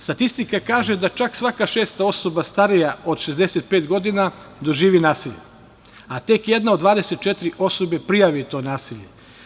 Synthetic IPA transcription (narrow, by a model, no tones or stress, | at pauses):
st̪at̪ist̪ikakaːʒed̪at͡ʃaksʋakaʃeːst̪ao̞so̞bast̪aɾijaʔod̪ʃezd̪eset̪̚peːt̪ɡo̞d̪inad̪o̞ʒiːʋinaːsiʎḛ | at̪e̞kjed̪naod̪ʋaːd̪e̞set̪t͡ʃet̪ɾiʔo̞so̞be̞pɾijaʋit̪o̞ːnaːsiʎe̞̰